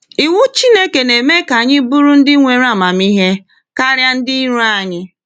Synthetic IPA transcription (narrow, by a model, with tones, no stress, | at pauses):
i˨wʷu˦t͡ʃi˦ne˦ke˨ne˨me˦ka˨ɲɪ˦bu˦ɾu˦n̩˦dɪ˦ŋʷe˨ɾa˦˨ma˨mi˦ɦe˦ | ka˦ɾja˦n̩˦dɪ˦i˦ɾu˦a˨ɲɪ˦